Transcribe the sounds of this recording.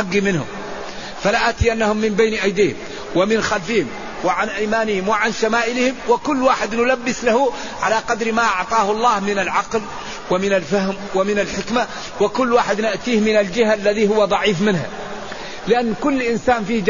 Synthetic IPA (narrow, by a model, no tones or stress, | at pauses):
aɡːimɪnhʊ̰m | falaʔaːt̪iʔanːahʊmːɪmbajnʔajd̪iːhɪ̰m | wɪmɪnxalfɪhɪm | wɪʕanʔajmaːnɪhɪmwɪʕanʃamaːʔɪlɪhɪmwɪkʊlːwaːħɪd̪nʊlabːɪslahʊ | ʕalaqɑd̪ɾmaʔɑʕt̪ˤɑːhʊɑlˤːɑːhmɪnalʕɑql | wɪmɪnalfahmwɪmɪnalħɪkma | wɪkʊlːwaːħɪd̪nɪʔt̪iːhmɪnald͡ʒɪhalːaðihʊwːad̪ˤɑʕiːfmɪnha̰ | lɪʔanːkʊlːʔɪnsaːnfiːhd͡ʒ